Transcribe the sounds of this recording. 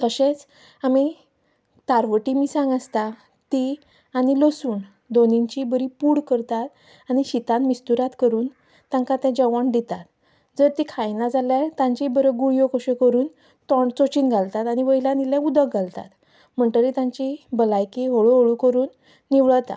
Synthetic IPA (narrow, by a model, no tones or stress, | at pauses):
t̪əɕẽt͡s | ami | t̪aɾʋəʈimiːsãŋɡəst̪a | t̪i | aɽ̃ilosuːn | d̪oniɲt͡ɕibəɾipuːɽkəɾt̪at̪̚ | aɽ̃iɕit̪ãnmist̪uɾat̪kəɾuːn | t̪ːãŋkat̪ɛ̃d͡ʑəʋaɳd̪it̪at̪ | d͡zəɾt̪ikʰajnad͡zalat̪ãɲt͡ɕibəɾəɡuɭjokəɕekəɾuːn | t̪ɔɳt͡sot͡ɕiːnɡʱalt̪at̪aɽ̃iʋəjilãnilaud̪əkɡʱalt̪a̰t̪ | m̤əɳt̪əɾit̪ãɲt͡ɕibəlajkiɦoɭoɦoɭukəɾuːnː | iʋɭət̪a̰